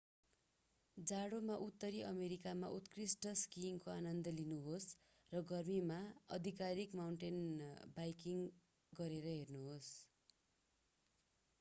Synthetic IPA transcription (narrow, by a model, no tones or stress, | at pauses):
d͡zaɽomaʔut̪ːʌɾiʔʌmeɾikama̰ʔut̪krisʈʌskimkoanʌnd̪ʌlinuɦos | rʌɡʌrmimaʌ̰d̪ʱikaɾikmawɳʈenbajkiŋ | ɡʌɾeɾʌɦernuɦos